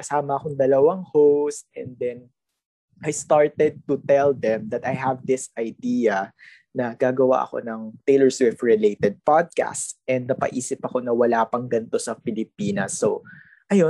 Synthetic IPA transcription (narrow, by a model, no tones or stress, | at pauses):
kɐsaːmɐːkoŋd̪ɐlɐwaŋhost̪ʔɛnd̪ɛn | ʔajst̪aɹt̪ɛd̪̚t̪ʊt̪ɛld̪ɛmd̪ɐt̪ajɦɐvd̪ɪsʔɐjd̪iːɐ | nɐɡ̥aːɡɐwa̰ʔɐ̰ko̞̰nɐŋt̪ejlɛɹswɪft̪ɹɪlejt̪ɛd̪̚pad̪̚ka̰stʔɛnd̪̚nɐpɐ̰ʔiːsɪpɐko̞nɐwɐlaːpɐŋɡɐnt̪o̞sɐpɪlɪp̚iːnɐsːo | ʔɐjo